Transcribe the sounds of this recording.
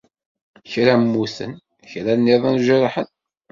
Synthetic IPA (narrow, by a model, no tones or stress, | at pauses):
çɾæmːusə̰n | çɾænːeðˤænʒəɾˤħən